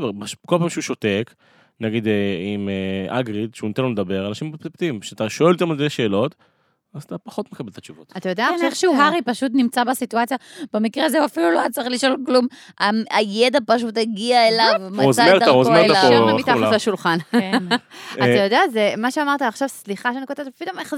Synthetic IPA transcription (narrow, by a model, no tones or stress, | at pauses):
beʁbaʃkolpaːmʃeuʃote̞k | naɡid̪imeaɡʁid̪ʃeunit̪enloled̪abe̞ʁalnaʃimpt̪ept̪imʃeat̪aʃoelt̪amaldeʃe̞ːlo̞t̪ | azat̪apaχo̞t̪mekabelt̪at͡ʃuvo̰t̪at̪ajod̪eaeneχʃuɦaʁipaʃut̪nimt͡sabesit̪uat͡sjab̥emikʁeazeuafiluloat͡sʁeχliʃo̞lklumaajed̪apaʃut̪eɡiaelavmazaeʁd̪aazmeʁaaait̪azaʃulχan | atajo̞d̪eazemaʃeamaʁt̪aːχʃavsliχaʃeaniko̞t̪evtpid̪omeχ